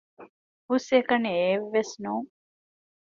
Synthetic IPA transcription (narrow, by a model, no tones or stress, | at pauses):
husekɐneeʋːesnuːŋ